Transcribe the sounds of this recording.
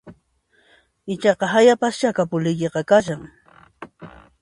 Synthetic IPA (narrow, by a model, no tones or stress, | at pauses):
ɪt͡ʃɑqɑɦajapast͡ʃakapʊlɪjʎeqɑkaʃaŋ